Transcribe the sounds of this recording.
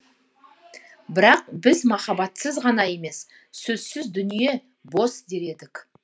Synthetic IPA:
bɪɾɑq̚bɪzmɑχɑbɑt̪səzʁɑnɑje̞me̞sː | ɵzsɪzd̪ʏnije̞ | bo̞sd̪e̞ɾe̞d̪ɪkʲ

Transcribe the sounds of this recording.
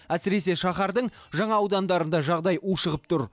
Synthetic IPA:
æsɪɾe̞s̬e̞ʃɑχɑɾd̪əɴʒɑɴɑːwd̪ɑnd̪ɑɾənd̪ɑʒɑʁd̪ɑjʔuʃəʁəp̚t̪ʰʊɾ

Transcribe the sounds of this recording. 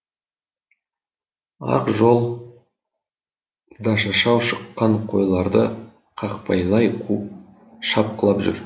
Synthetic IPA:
ɑ̰qʒolˠ | d̪ɑʃɑʃɑwʃəqːɑɴqʰo̞jlˠɑɾd̪ə | qʰɑqpʰɑjlˠɑjqʰu | ʃɑp̚qəlˠɑpʒʏ̰ɾ

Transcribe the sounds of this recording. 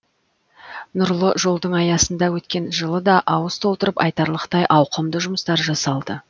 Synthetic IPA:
nʊɾlˠəʒo̞lˠd̪əɴɑjɑsənd̪ɑwɵt̪kʲe̞nʒəlˠəd̪ɑʔɑwəst̪ʰo̞lˠt̪əɾəpɑ̰jt̪ɑɾlˠəqt̪ɑjʔɑwqəmd̪əʒʊməst̪ɑɾʒɑsɑlˠd̪ə

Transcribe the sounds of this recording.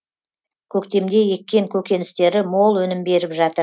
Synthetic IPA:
kʲʰɵkt̪e̞md̪e̞je̞kʲːe̞ŋkʲʰɵkʲe̞nɪst̪e̞ɾɪmo̞lˠwɵnɪmbe̞ɾɪpʒɑt̪əɾ

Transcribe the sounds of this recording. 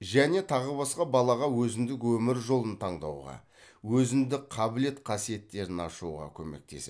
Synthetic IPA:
ʒæne̞t̪ʰɑʁəbɑsqɑbɑlˠɑʁɑwɵzɪnd̪ɪkwɵmɪɾʒo̞lˠənt̪ʰɑɴd̪ɑ̰wʁɑ̰ | wɵzɪnd̪ɪk̚qʰɑbɪle̞t̪qʰɑsije̞t̪ːe̞ɾɪnɑʃuʁɑ̰kʲʰɵme̞̰k̚t̪e̞̰se

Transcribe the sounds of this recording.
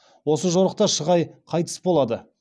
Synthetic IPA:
wo̞səʒoɾəq̚t̪ɑʃəʁɑjqʰɑjt̪ə̥sbo̞lˠɑd̪ə

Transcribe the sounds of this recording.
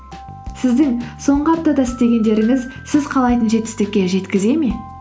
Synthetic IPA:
sɪzd̪ɪŋso̞ɴʁəɑp̚t̪ɑd̪ɑsɪst̪e̞ɡʲe̞nd̪e̞ɾɪŋɪzsɪzqʰɑlˠɑjt̪ənʒe̞t̪ːɪ̥st̪ɪkʲːe̞ʒe̞t̪kʲɪze̞me̞

